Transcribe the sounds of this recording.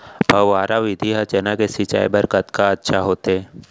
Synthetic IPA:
bʱɐʋːaːɾaʋɪd̪ʱiɦat͡ʃɛnakesɪt͡ʃa̰ːḭbɐɾkət̪kaɐtːʃʰaɦoːt̪eː

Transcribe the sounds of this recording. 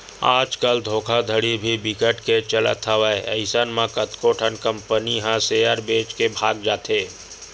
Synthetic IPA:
aːd͡ʒkəld̪ʱoːkʰad̪ʱəɽibʱibɪkəʈket͡ʃələ̰t̪ʰəʋəeə̰ɪsənmãkət̪koːʈʰənkə̃mpəniɦãseːjəɾbeːt͡ʃkebʱaːɡd͡ʒaːt̪eː

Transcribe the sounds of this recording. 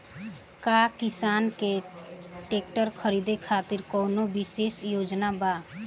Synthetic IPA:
kakisaːnke | ʈeːk̚ʈəɾkʰəɾid̪ekʰat̪iɾkɔːnobiseːsjoːd͡ʒnaba

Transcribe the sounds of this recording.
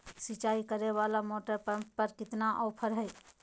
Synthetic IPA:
sit͡ʃaikəɾebalamoʈəɾpəppəɾkɪt̪naʔɔːpʰəɾɦəj

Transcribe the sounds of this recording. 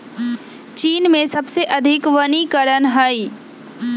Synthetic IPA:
t͡ʃiːnmẽsɐbseʔɐd̪ʱɪkʋənikəɾənɦaːi

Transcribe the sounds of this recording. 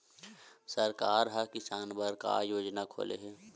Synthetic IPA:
səɾkaːɾɦakɪsaːnbʱəɾka̰ːjoːd͡ʒnakʰo̰ːlḛɦɛː

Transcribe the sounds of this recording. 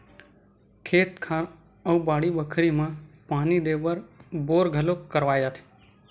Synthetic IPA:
kʰeːt̪kʰaːn | əubaːɽibəkʰɾimãpaːnid̪eʋəɾboːɾɡʱəlokəɾʋaːjd͡ʒaːt̪ʰe̥

